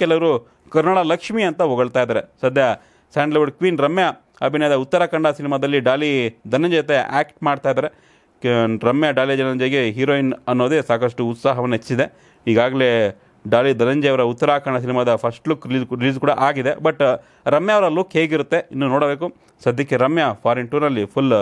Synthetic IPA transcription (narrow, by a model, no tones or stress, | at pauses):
kɛlɐʋɐɾu | kɐɾnɐɽɐlɐkʂmijɐnt̪ɐɦɔɡɐɭt̪aːjd̪aːɾesɐd̪ʱjɐ | saːɳɖleʋɐɖkʋiːnɾɐmjɐ | ɐbʱinɐjɐd̪ɐut̪ːɐɾakɐɳɖɐsinimad̪ɐlːiɖaːlid̪ɐnɐɲd͡ʒejɐt̪̬ea̰ːkʈmaːɖt̪aːjd̪aːɾe | ɾɐmjɐɖaːlid͡ʒɐnɐɲd͡ʒeɡeɦiɾoːjinɐnːoːd̪esaːkɐʂʈuːt̪saːɦɐʋɐnːet͡ʃːsid̪e̞ | iːɡaːɡɐle | ɖaːlid̪ɐnɐɲd͡ʒejɐʋɐɾɐut̪ːɐɾaːkɐɳɖɐs̬inimad̪ɐpʰɐsʈlukːɾiliːd͡ʒɾiliːd͡ʒkuːɽɐʔaːɡid̪ebɐʈ | ɾɐmjaʋɐɾɐlukɦeːɡiɾut̪ːe̞inːunoːɽɐbe̞ːku | sɐd̪ʱjɐkːeɾɐmjɐpʰaːɾiɳʈuːɾnɐlːipʰul